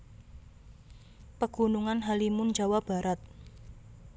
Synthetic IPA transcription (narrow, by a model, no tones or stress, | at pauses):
pəɡ̥ṳnuŋanɦalimʊnd͡ʒawab̥a̤ɾat̪̚